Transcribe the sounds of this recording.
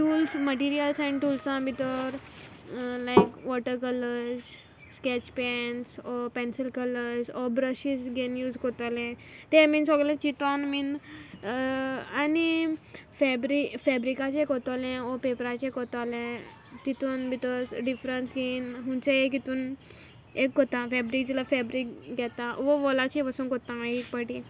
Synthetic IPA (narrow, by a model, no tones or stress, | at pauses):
ʈuːlsməʈiɾiəlsanʈulsãbʱit̪ɔɾ | lajkʋɔʈəɾkələɾz | skɛt͡ɕpɛnsɔpɛ̃nsəlkələɾzɔbɾəɕisɡenjuːzkɔt̪alɛ̃t̪emiːnsɔɡlẽt͡ɕit̪ɔnmin | anifɛbɾifɛbɾikat͡ɕẽkɔt̪alɛ̃ɔpepɾat͡ɕẽkɔt̪alɛ̃ | t̪it̪uːnbikɔzɖifɾənsɡinɦũnt͡seekit̪uːn | ekːɔt̪ãfɛbɾik̚d͡ʑilafɛbɾikɡɛt̪ãʋɔʋɔlat͡ɕipasuːnkɔt̪ãɦikpəʈi